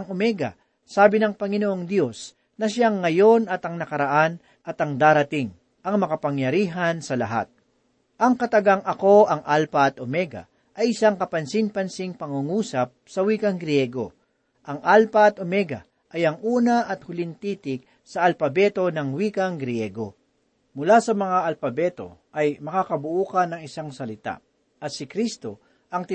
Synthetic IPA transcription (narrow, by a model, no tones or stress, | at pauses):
ɐŋʔomɛɡɐ̰ | saːbɪnɐŋpɐŋɪnoʔo̞ŋd̪jo̞s | nɐʃaŋːɐjo̞nɐt̪ɐŋnɐkɐɾɐʔan | ʔɐt̪ɐŋd̪aːɾɐt̪ɪŋ | ʔɐŋmɐkɐpɐŋjɐɾiːɦɐnsɐlɐ̰ɦa̰t̪̚ | ʔɐŋkɐt̪ɐɡaŋʔɐko̞ʔɐŋʔalpɐɐt̪ʔomɛɡɐ̰ | ʔɐjʔɪsaŋkɐpɐnsɪnpɐnsiŋpɐŋʊŋuːsɐp̚sɐwiːkɐŋɡɾɪjɛɡo̞ | ʔɐŋʔalpɐɐt̪ʔomɛɡɐ̰ | ʔɐjɐŋʔuːnɐʔɐt̪̚hʊlɪnt̪iːt̪ɪk̚ | sɐʔɐlpɐbɛt̪o̞nɐŋwiːkɐŋɡɾjɛɡo̞̰ | mʊlasɐmɐŋaʔɐlpɐbɛt̪o̞̰ʔɐjmɐkakɐbʊʔuːkɐnːɐŋɪsaŋsɐlɪt̪a̰ | ʔɐt̪̚sɪkɾist̪o̞ | ʔɐŋt̪